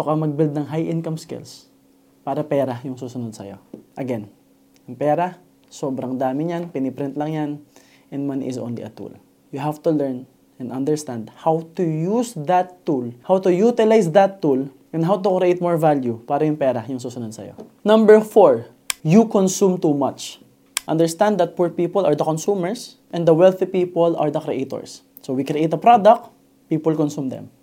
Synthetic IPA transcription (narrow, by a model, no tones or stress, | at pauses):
sʊkɐmɐɡ̚bild̪̚nɐŋɦajʔɪ̃nkɐmskɪ̰ls | paːɾɐpɛːɾɐjʊŋsuːsʊnod̪̚sɐ̰jo̞̰ʔɐɡɛn | ɐŋpɛːɾɐ | soːbɾɐŋd̪aːmɪɲanpɪnɪpɾɪ̃nt̪lɐŋjan | ʔɛnmanʔɪsʔõ̰nlḭʔɐ̰t̪ṵl | jʊɦavt̪ulɛɹn | ʔɛ̃nʔɐ̃nd̪ɛɹst̪ãnd̪̚hawt̪ʊjusd̪ɐt̪ːulhawt̪ʊjut̪ɪlajsd̪ɐt̪ːulʔɛ̃nɦawt̪ʊkɾɪʔet̪̚mɔɹvaljupaːɾɐjʊŋpɛːɾɐjʊŋsuːsʊnɔd̪̚sɐ̰jo̰nɐ̃mbɛɹfɔɹ | jukɔ̃nsumt̪uːmat͡ʃ | ʔɐ̃nd̪ɛɹst̪ãnd̪dɐt̪̚puɹpiːpɔlɐɹd̪ɐkɔ̃nsumɛɹs | ʔɛ̃nd̪ɐwɛlθipiːpɔlɐɹd̪ɐkɾiʔejt̪ɔ̰ɹsː | owikɾiʔejt̪ɐpɾad̪ɐk̚t̪ | piːpɔlkɔ̃nsumd̪ɛ̰̃m